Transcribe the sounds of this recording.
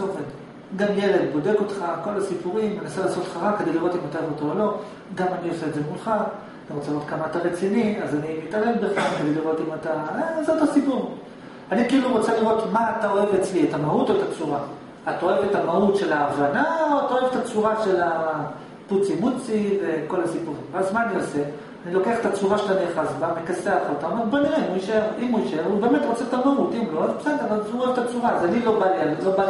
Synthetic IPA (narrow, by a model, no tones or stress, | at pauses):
oved | ɡamje̞le̞dbo̞de̞ko̞t̪χako̞lasipuʁimnenaselaːso̞t̪leχaʁakːedejliʁo̞timat̪oevotoolo̞ | ɡamanio̞seedzemulχa | aniʁot͡seliʁo̞t̪̚kamaːtaʁet͡siniazanimitale̞lbeχlamked̪ejliʁo̞t̪imataezotasipuʁ | anikiiluʁo̞t͡seliʁo̞tmaːtao̞evet͡slietamautoet̪at͡suʁa | at̪aoevetamautʃe̞laːvanaoataoevet̪at͡suʁaʃe̞la | put͡simut͡sive̞ko̞lasipuʁimvazmaːniose | anilo̞keaχe̥t̪at͡suʁaʃeaniaχazbamekaseaχaot̪aomeʁboniʁemuiʃeʁimuiʃeʁube̞me̞t̪ʁo̞t͡set̪amautimloazbesedeavalzuoevt̪at͡suʁaazanilo̞balialiloba